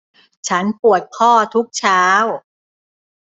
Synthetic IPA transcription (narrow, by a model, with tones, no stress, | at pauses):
t͡ɕʰa˦˥npu˨˩ət̪̚kʰɔː˥˩t̪ʰu˦˥k̚t͡ɕʰaː˦˥w